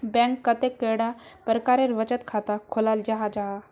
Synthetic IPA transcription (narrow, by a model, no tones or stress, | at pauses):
bɛ̃ŋkːət̪ekːeɽapəɾkaɾeɾʋət͡ɕət̪kʰat̪akʰolald͡ʑaɦad͡ʑaɦa